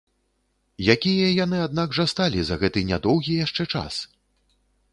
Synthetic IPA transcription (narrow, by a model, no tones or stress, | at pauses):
jakʲijɐjanɨad̪naɡʐɐst̪alʲizɐɣɛt̪ɨnʲad̪ɔwɣʲijaʂt͡ʂɛt͡ʂa̰s